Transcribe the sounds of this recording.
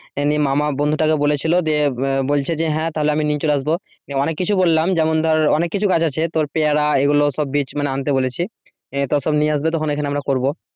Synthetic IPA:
enimamabond̪ʱoʈakebolet͡ɕʰilod͡ʑebolt͡ɕʰed͡ʑeɦɛ̃t̪aɦoleaminiɲt͡ɕolaʃbo | iɔnekːit͡ɕʰubolːamd͡ʑɛmond̪ʱɔɾɾɔnekːit͡ɕʰukad͡ʑat͡ɕʰet̪oɾpeaɾaeɡuloʃɔbːit͡ɕʰmaneant̪̬ebolet͡ɕʰi | t̪ɔʃɔbniaʃbet̪ɔkʰonekʰaneamɾakoɾbo

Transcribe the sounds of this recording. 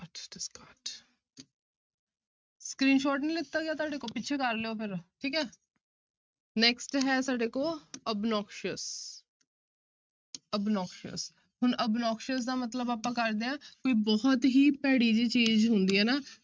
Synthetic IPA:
əskaːʈ | skɾiːnʃoːʈnĩːlɪt̪ːaːɡejaːt̪̬ʊaːɖeːkoːpɪt͡ʃʰeːkəɾleːoːpʰɪɾʈʰiːkɛː | nɛːksʈɦɛːsaːɖeːkoːəbnɔːkʃəs | əbnɔːkʃə̰s | ɦʊnʔəbnɔːkʃəs̬d̪aːmət̪ləbaːpãːkəɾd̪eːãːkoːiːbɔːt̪ɦiːpɛːɽiːd͡ʒiːt͡ʃiːzɦʊnd̪iːɦɛːnaː

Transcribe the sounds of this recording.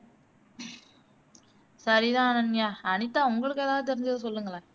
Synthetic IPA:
sɐɾiðãːɐnɐnjaːɐnɪt̪ːãːʊŋɡɐɭɯkːɛðaːɣɐt̪̬ɛɾɪɲd͡ʒɐðɯsɔlːɯŋɡɐɭãː

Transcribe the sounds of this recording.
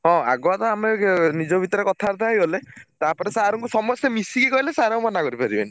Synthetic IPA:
ɦɔ̃a̰ɡɔat̪ɔamenid͡ʒɔbʱit̪ɔɾekɔt̪ʰaɾt̪ajɦolet̪apɔɾesaɦɾɔŋkusɔmɔsemisikikɔɦilesaɦɾɔmɔnakɔɾipaɾibḛni

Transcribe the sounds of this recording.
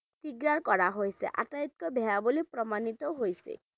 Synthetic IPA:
t̪iɡɾaɾkɔɽaɦojsḛʔa̰ʈajt̪̚kɔbʱajabolipɾɔmanit̪ɔɦojsḛ

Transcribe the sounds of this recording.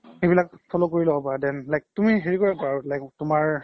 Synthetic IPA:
ebilakfʰɔlokoɹilɔapaɹadɛnlajk̚tumiɦeɹikɔɹapaɹalajktʊmaɹ

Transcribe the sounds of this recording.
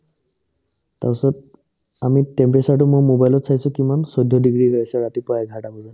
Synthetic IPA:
ta̰ɔsɔt | amitɛmpesaʈ̬ʊmojmobajlɔtsajsʊ̃kimansɔjd̪ʱːɔdiɡɹiɡɔasɛɹatipɔaɡʱaʈabɔzɔ

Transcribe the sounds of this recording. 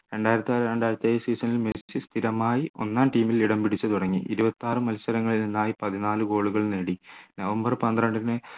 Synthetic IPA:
ɾe̞ɳɖaːjiɾɐt̪ːiaeɳɖaːjiɾɐt̪ːjeːjɐsiːsɐnilmeset͡ɕːɨst̪ʰiɾɐmaːjio̞̰nːaːnʈiːmiliɽɐmbiɽit͡ɕːɐt̪uɽɐŋːiʔḭɾubɐt̪ːaːrɨmɐlsɐɾɐŋːɐɭilninːaːjipɐðinaːlɨɡo̞ːɭuɣɐɭneːɽinɐʋɐmbɐrpɐnd̪rɐɳɖɐnɨ

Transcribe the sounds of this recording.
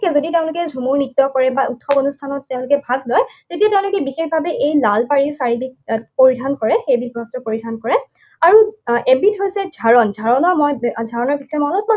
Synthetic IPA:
kɛzoditeʊ̃lʊkɛzʱumuɹnitːɔkɔɹɛbaʔutʰxɔbonustʰanɔtːeʊ̃lʊkɛbʱaɡ̚lɔjtetijateʊ̃lʊkɛbixekʰbʱabɛʔejlalpaɹisaɹibik̚poɹidʱankɔɹɛxejbibɹɔstɔpoɹidʱankɔɹɛ | aɹuebitɦojsɛd͡ʒʱaɹɔnd͡ʒʱaɹɔnɔɹmɔjd͡ʒʱaɹɔnɔɹbikʰɛmɔlɔpma

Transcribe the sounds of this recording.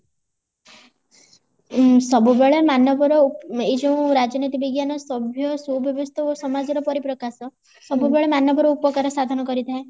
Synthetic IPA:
sɔbubeɭemanɔbɔɾɔed͡ʒõw̃ɾad͡ʒɔnit̪ibiɡjanɔsɔbʱjɔsubɔbust̪ʰɔosɔmad͡ʒɔɾɔpɔɾipɾɔkasɔ | sɔbubeɭemanɔbɔɾɔupɔkaɾɔsad̪ʱɔnɔkɔɾit̪ʰae

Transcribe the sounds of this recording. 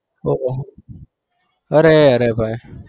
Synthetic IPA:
oʔo | əɾeəɾebaj

